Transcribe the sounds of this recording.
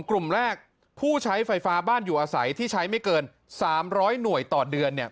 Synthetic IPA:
ŋklu˨˩mɾɛː˥˩k̚ | pʰuː˥˩t͡ɕʰa˦˥jfa˧jfaː˦˥baː˥˩njuː˨˩ʔaː˧sa˩˦jt̪ʰiː˥˩t͡ɕʰa˦˥jma˥˩jkɤː˧n | saː˩˦mɾɔː˦˥jnu˨˩əjt̪ɔː˨˩dɯ˧ənːi˥˩ə

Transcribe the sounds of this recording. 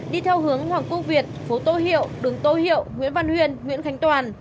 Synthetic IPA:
ɗi˧t̪ʰɛ˧wɦɨ˨˦əŋhwaː˨˩ŋkə˧wvi˨˩ət̚fo˨˦t̪o˧˩jhḭ˧˨əwɗɨ˨˩ŋt̪o˧jhḭ˧˨əwŋwḭ˧˥ənva˧nhwḭ˧ənŋwḭ˧˥ənxa˨˦jŋ̟t̪waː˨˩n

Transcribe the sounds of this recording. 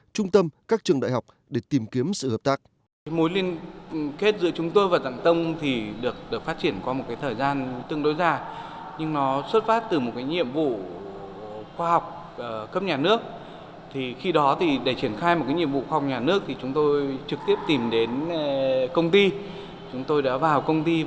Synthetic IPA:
t͡ɕʊ˧ŋ͡mt̪ə˧mkaː˦˥k̚t͡ɕɨ˨˩əŋɗa̰˧˨jɦa˨˩k͡p̚ | ɗe˧˩t̪i˨˩mki˨˦əmsɨ̰˧˨həː˨˩p̚t̪aː˦˥k̚ | mo˨˦jli˧ənke˦˥t̚zɨ̰˧˥ət͡ɕʊ˨˦ŋ͡mt̪o˧jvaː˨˩t̪a̰˧˨ŋt̪ə˧wŋ͡mt̪ʰi˨˩ɗɨ˨˩ək̚ɗɨ˨˩ək̚faː˦˥t̚t͡ɕi˧˩ənkwɔ˨˦mo˨˩t̚kaː˨˦jt̪ʰəː˨˩jzaː˧nt̪ɨ˧əŋɗo˨˦jzaː˨˩ | ɲɨ˧ŋnɔ˨˦swə˦˥t̚faː˦˥t̚t̪ɨ˨˩mo˨˩t̚kaː˨˦jɲḭ˧˨əmvṵ˧˨ | xwaː˧ha˨˩wk͡p̚ː | kə˦˥p̚ɲaː˨˩nɨ˦˥ək̚ | t̪ʰi˨˩xi˧ɗɔ˨˦t̪ʰi˨˩ɗe˧˩t͡ɕi˧˩ənxaː˧jm˨˩t̚kaː˨˦jɲḭ˧˨əmvṵ˧˨xwa˧˨˩wk͡p̚ɲaː˨˩nɨ˦˥ək̚t̪ʰi˨˩t͡ɕʊ˨˦ŋ͡mt̪o˧jt͡ɕɨ˨˩k̚t̪i˦˥əp̚t̪i˨˩mɗe˨˦n | kə˧wŋ͡mt̪i˧ | t͡ɕʊ˨˦ŋ͡mt̪o˧jɗa̰ː˧˥vaː˨˩wkə˧wŋ͡mt̪i˧

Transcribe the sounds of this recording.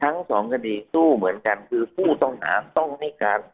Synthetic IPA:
t̪ʰa˦˥ŋsɔ̰ː˩˦ŋkʰa˧diː˧suː˥˩mɯ˩˦ənka˧nkʰɯː˧pʰuː˥˩t̪ɔ˥˩ŋna̰ː˩˦mt̪ɔ˥˩ŋha˥˩jkaː˧n

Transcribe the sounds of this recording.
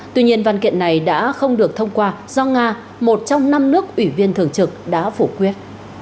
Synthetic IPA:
t̪wi˧ɲi˧ənvaː˧˩nkḭ˧˨ənːa˨˩jɗa̰ː˧˥xə˧wŋ͡mɗɨ˨˩ək̚t̪ʰə˧wŋ͡mkwaː˧z̥ɔ˧ŋaː˧ | mo˨˩t̚t͡ɕɔ˧wŋ͡mna˧mnɨ˦˥ək̚ʔwi˧˩vi˧ənt̪ʰɨ˨˩əŋt͡ɕɨ˨˩k̚ɗa̰ː˧˥fu˧˩kwi˦˥ət̚

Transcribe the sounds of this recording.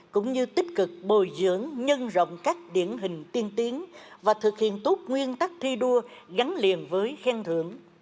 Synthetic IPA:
kʊ̰˧˥ŋ͡mɲɨ˧t̪ï˦˥k̟̚kɨ˨˩k̚ɓo˨˩jzɨ̰˧˥əŋɲə˧nzə̰˧˨wŋ͡mkaː˦˥k̚ɗḭ˧˩ənɦï˨˩ŋ̟t̪i˧ənt̪i˨˦ənvaː˨˩t̪ʰɨ˨˩k̚hḭ˧˨ənt̪u˦˥t̚ŋwi˧ənt̪a˦˥k̚t̪ʰi˧ɗu˧əɣa˨˦ŋli˨˩ənvəː˨˦jxɛː˧ŋt̪ʰɨ̰˧˩˨əŋ

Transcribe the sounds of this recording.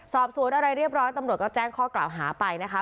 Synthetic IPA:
sɔː˨˩p̚su˨˩˦ənʔa˧ɾa˧jɾi˥˩əp̚ɾɔː˦˥jt̪a˧mɾu˨˩t̪̚kɔː˥˩t͡ɕɛː˥˩ŋkʰɔː˥˩kla̰ː˨˩wɦaː˩˦pa˧jna˦˥kʰa˦˥

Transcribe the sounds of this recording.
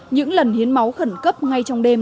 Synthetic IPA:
ɲɨ̰˧˥ŋlə˨˩nhi˨˦ənma˨˦wxə˧˩nkə˦˥p̚ŋa˧jt͡ɕɔ˧wŋ͡mɗe˧m

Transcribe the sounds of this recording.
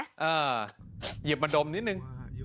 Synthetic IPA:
ʔəː˨˩ | zi˨˩əp̚ma˨˧nɗo˨˩mni˨˦˥nɨ˧ŋ

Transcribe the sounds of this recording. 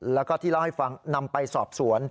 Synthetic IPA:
lɛː˦˥wkɔː˥˩t̪ʰiː˥˩la˥˩wha˥˩jfa˧ŋna˧mpa˧jsɔː˨˩p̚su˩˦ən

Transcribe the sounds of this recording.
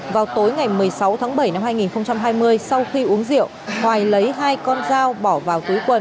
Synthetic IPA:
vaː˨˩wt̪o˨˦jŋa˨˩jmɨ˨˩əjjsa˨˦wt̪ʰaː˨˦ŋɓə˧˩jna˧mhaː˧jŋi˨˩nxə˧wŋ͡mt͡ɕa˧mɦaː˧jmɨ˧əjsa˧wxi˧ʔu˨˦əŋzḭ˧˨əwhwaː˨˩jlə˨˦jɦaː˧jkɔ˧nzaː˧wɓɔ˧˩vaː˨˩wt̪u˨˦jkwə˨˩n

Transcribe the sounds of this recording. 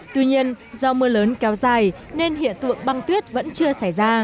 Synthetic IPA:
t̪wi˧ɲi˧ən | zɔ˧mɨ˧ələː˨˦nkɛ˨˦wzaː˨˩jne˧nɦḭ˧˨ənt̪ɨ̰˧˨əŋɓa˧ŋt̪wi˦˥ət̚və̰˧˥nt͡ɕɨ˧əsa˧˩jzaː˧

